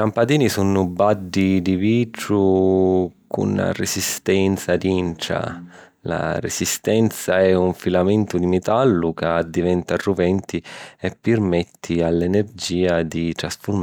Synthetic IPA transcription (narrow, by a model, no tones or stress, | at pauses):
kampad̪iːnisunʊbadːid̪iviːt̪ɾu | kʰṵnːa̰resist̪ɛnt̪sad̪iɳʈɾa̰ | la̰rḛsist̪ɛnt̪saɛuɱfilamɛnt̪ud̪imɛt̪alːukad̪ivɛnt̪aruvɛnt̪ʰiɛpːɪrmɛt̪ʰːialːɛnerd͡ʒiːad̪it̪ɾasfʊm